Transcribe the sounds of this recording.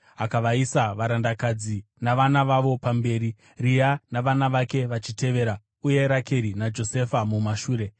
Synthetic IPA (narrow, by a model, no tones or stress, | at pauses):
ɦakaʋaisaʋaɾandakad͡zi | naʋanaʋaʋo̞pambe̞ːɾi | rijanaʋanaʋake̞ʋat͡ʃite̞ʋe̞ːɾa | uje̞ɾake̞ɾinad͡ʒo̞se̞famumaʃuːɾe̞